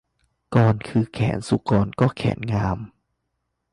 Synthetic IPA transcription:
kɔː˧nkʰɯː˧kʰɛ̰ː˩˦nsu˧˦kɔː˧nkɔː˥˩kʰɛ̰ː˩˦nŋaː˧m

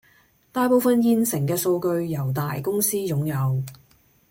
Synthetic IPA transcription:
t̪aː˧jpo˨˧wfɐ˨njiː˨˧nsɪ˨˩ŋkɛː˧so˧wkɵ˧ɥjɐ˨˩wt̪aː˨jkʊ˥ŋsiː˥jʊ˨˥ŋjɐ˨w

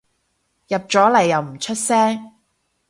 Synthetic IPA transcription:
jɐ˨p̚t͡ʃɔː˨˥lɐ˨˩jːɐ˨wm̩˨˩t͡ʃʰɵ˥t̚sɛː˥ŋ

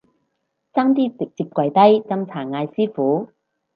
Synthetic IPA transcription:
saː˥ŋt̪̬iː˥t͡sɪ˨k̚t͡siː˧˩p̚kʷɐ˨˧jt̪ɐ˥jt͡sɐ˥mt͡sʰaː˨˩ŋaː˧jsiː˥fuː˨˥

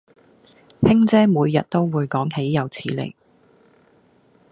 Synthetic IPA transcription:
hɪ˥ŋt͡sɛː˥muː˨˧jːɐ˨t̚t̪o˥wwuː˨˧jkɔː˨˥ŋhe˨˥jːɐ˨˧wt͡sʰiː˨˧lḛ˨˩j

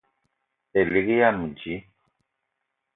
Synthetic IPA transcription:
e˨li˨˦ki˦ja˦˨mu˨d͡ʒi˨˦

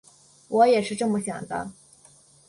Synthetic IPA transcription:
wɔ˧˥jɛ˨˩ʂɻ̩˥˧ʈ͡ʂɤ˥˩mə˧ɕjɑ̰˨˩ŋd̪ə̰˦

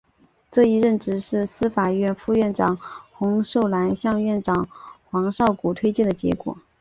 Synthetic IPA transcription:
ʈ͡ʂɤ˥˩i˥˧ɻə˥˩nʈ͡ʂɻ̩˥ʂɻ̩˥˩sɹ̩˥fa˨˩ɥɛ˥˧nfu˥˧ɥɛ˥˩nʈ͡ʂɑ˨˩ŋxʊ˧˥ŋʂo˥˩ʊla˧˥nɕjɑ˥˧ŋɥɛ˥˩nʈ͡ʂɑ˨˩ŋxwɑ˧˥ŋʂɑ˥˩ʊku˨˩t̪ʰwe˥ɪt͡ɕjɛ˥˩nd̪ə˩t͡ɕjɛ̰˧˥kwɔ̰˨˩˦

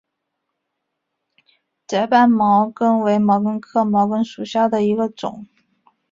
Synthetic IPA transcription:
t͡sə˧˥pa˥˩nmɑ˧˥ʊkɤ˥ŋwe˧˥ɪmɑ˧˥ʊkə˥ŋkʰɤ˥˩mɑ˧˥ʊkɤ˥ŋʂu˨˩ɕjɑ˥˩ʊd̪ə˩i˧˥ɡə˧ʈ͡ʂʊ̰˨˩˦ŋ

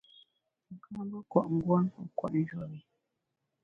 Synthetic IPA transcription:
ŋ̩˨ka˦bə˦kwa̰˨ʔŋ̩˦ɡwa˦n˨kwa̰˨ʔn̩˦d͡ʒɔ˨ɾi˨

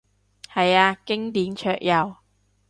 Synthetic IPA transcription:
hɐ˨jaː˧kɪ˥ŋt̪iː˨˥nt͡ʃʰœː˧˨k̚jɐ˨w

